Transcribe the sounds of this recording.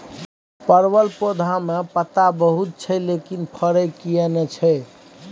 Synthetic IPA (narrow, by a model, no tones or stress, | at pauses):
pəɾbəlpod̪ʱamepət̪abəɦut̪̚t͡ʃʰɛlekinpʰəɾəkijenɛt͡ʃʰɛ